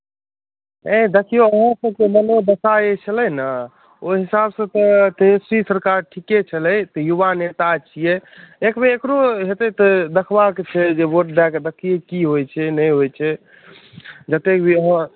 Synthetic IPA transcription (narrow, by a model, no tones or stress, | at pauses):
ẽd̪ekʰijoəɦãsəb̚kemənod̪əsajet͡ʃʰəlɛjnə | oɦisabsə̃t̪ɔt̪ẽsɾisəɾkaɾʈʰiket͡ʃʰələjt̪ɔjuʋanet̪at͡ʃʰijeekmeːkɾoɦet̪et̪ɔd̪əkʰbakt͡ʃʰɛd͡ʒeboʈ̚ɖɛkd̪əkʰijekiɦojt͡ʃʰɛnəjɦojt͡ʃʰɛ | d͡ʒət̪ekbʱiəɦã